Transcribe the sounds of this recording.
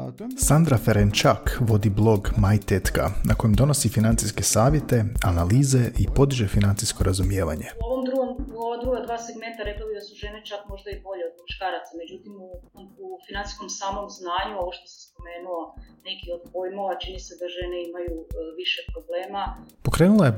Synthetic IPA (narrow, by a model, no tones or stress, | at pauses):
sand̪ɾafeɾent͡ʃakʋo̞d̪iblˠo̞ɡmajt̪et̪ka̰nʔako̞jemd̪o̞no̞sifinant̪siske̞saːʋje̞t̪e̞analiːze̞ʔipo̞d̪iʒefinant̪siskoɾʔazumje̞ːʋa̰ɲe̞uoʋomd̪ɾuɡomuoʋad̪ɾuɡad̪ʋaːseɡme̞nt̪aɾe̞klalid̪asuʒe̞net͡ʃakmo̞ʒd̪aibo̞ʎeod̪muʃkaːɾat̪same̞d͡ʑut̪imuufinant̪i̥sko̞msaːmo̞mznaːɲuo̞ʋoʃt̪ose̥sp̪o̞meːnuone̞kio̞d̪pojmoʋat͡ʃinised̪aʒe̞neimajuʋiʃepɾobleːmapo̞kɾe̞ːnulˠaje̞